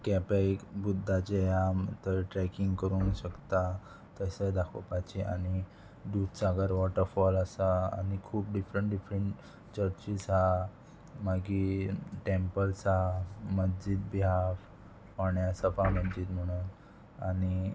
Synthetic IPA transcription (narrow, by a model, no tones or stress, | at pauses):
kɛpekbud̪ʱːat͡ɕejat̪əɾʈɾɛkiŋɡkəɾuːnɕəkt̪a | t̪əsəd̪akʰo̰pat͡ɕiʔani | ɖ̪ut̪saɡəɾʋɔʈəɾfɔləsaa̰nikʰuːp̚ɖifɾəɳʈɖifɾəɳʈ | t͡ɕəɾt͡ɕisɦa | maɡiʈempəlsɦaməd͡ʑid̪̚biɦa | paɳeəsəpaməd͡ʑiːd̪m̤əɽ̃un | ani